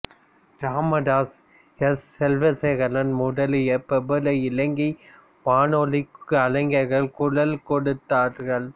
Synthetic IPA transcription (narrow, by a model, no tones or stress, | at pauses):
ɡɾaːmɐɽaːs | ɛsːɛlʋɐseɣɐlɐnmʊɽɐlɪjɐpɛbɯlɐɪlɐŋɡi | ʋaːnɔlɪkːɯɐlɐɪŋɡɐɾɣɐɭkʊɽɐlkɔɽɯt̪ːaːɾɣɐɭ